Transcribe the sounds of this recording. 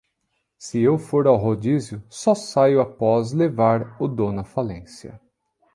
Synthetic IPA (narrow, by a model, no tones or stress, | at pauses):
sɪewfoɾawɦod͡ʒizjʊsɔsajʊapɔzlevaɾʊd̪õnɐfalẽsiɐ̰